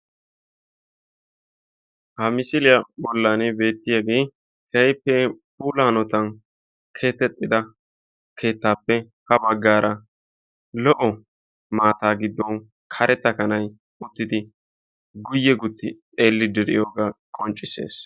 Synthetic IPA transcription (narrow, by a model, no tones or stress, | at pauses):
hɐmɪsɪlɪjɐbɔlːaːnɪbe̞ːt̪ːɪjaɡeː | hɛjpːɛp̚uːlaːnɔt̪ɐn | kʰe̞ːt̪ːɛt̪ʼːɪd̪ɐ | kʰe̞ːt̪ːaːpːɛ | hɐbɐɡːaːɾɐ | lɔʔɔ | maːt̪aːɡɪd̪ːɔn | kʰɐɾʔɛt̪ːɐkɐnɐj | ʊt̪ːɪd̪ɪ | ɡʊjːɛɡʊt̪ːɪt͡sʼe̞ːlːɪd̪ɛɾɪ̰joːɡakʼɔnt͡ʃʼːɪse̞̰ːs